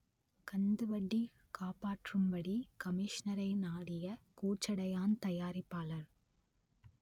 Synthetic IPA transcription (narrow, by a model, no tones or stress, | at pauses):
kɐnd̪ɯʋɐɽːi | kaːpaːʈrɯmbɐɽikɐmɪʂnɐɾɐɪnaːɽɪjɐkuːt͡ʃːɐɽɐjaːnt̪ɐjaːɾɪpːaːlɐɾ